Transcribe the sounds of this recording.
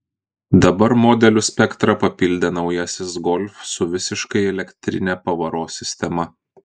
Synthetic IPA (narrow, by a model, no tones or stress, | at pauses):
d̪ɐbɐɾmɔd̪ʲɛlʲʊsʲpʲɛkt̪ɾɐpɐpʲɪlʲd̪ʲɛnɒʊjɛsʲɪsɡɔlʲfsʊʋʲɪsʲɪʃkɐɪɛlʲɛkʲt̪ʲɾʲɪnʲɛpɐʋɐɾoːsʲɪsʲt̪ʲɛmɐ